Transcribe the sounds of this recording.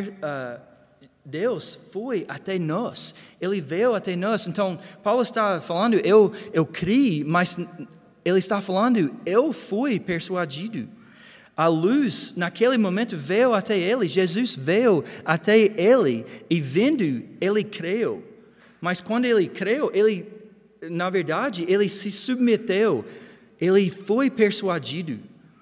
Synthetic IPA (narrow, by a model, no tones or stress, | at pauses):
a | d̪ewsfojat̪ɛnɔselɪvejwat̪ɛnɔsẽnt̪ɐ̃w̃pawlʊɪst̪afalɐ̃nd̪ʊʔewewkʰɾimaz | elɪst̪afalɐ̃nd̪ʊewfujpeɾsuad͡ʒid̪ʊ | aluznɐkʰelɪmõmẽnt̪ʊvejwat̪ɛelɪʒezuzvejat̪ɛelɪɪvẽnd̪ʊelɪkʰɾew | mɐskwɐ̃nd̪ʊelɪkɾewʔelɪ | nɐveɾd̪ad͡ʒɪelɪsɪsubmet̪ew | elɪfojpeɾsuad͡ʒid̪ʊ